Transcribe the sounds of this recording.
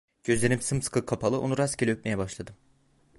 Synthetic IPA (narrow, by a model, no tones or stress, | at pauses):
ɟ̥ø̞zlʲeɾimsɯmskʰɯkʰːapʰalˠɯonuɾascʰelʲiøp̪̚me̞jɛbaʃlˠad̪ɯm